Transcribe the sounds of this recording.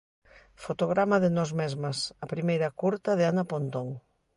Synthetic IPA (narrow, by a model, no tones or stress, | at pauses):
fot̪oɣ̞ɾamaðɪnɔzmezmɐsɐpɾimejɾɐkuɾt̪ɐðɪanɐpont̪oŋ